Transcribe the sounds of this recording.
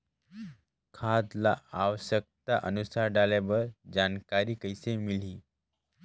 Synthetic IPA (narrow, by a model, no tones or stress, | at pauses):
kʰad̪laaʋəɕək̚t̪aʔə̰nusaɾɖalaʋəɾd͡ʑankaɾiːkəjsemil̤iː